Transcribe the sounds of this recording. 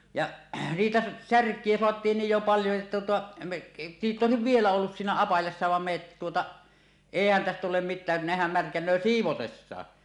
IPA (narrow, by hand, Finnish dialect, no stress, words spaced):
jɑ siːtæ særkˑie soɑtˑiːn niːj jo pɑljo etːæ tuotɑ me niːt oˑesiʋ ʋielæ olːus siːnæ ɑpɑjɑsːɑ ʋɑm me etːæ tuotɑ eˑihæn tæstæ tulem mitˑæː nehæm mærkænˑøː siːʋotesːɑː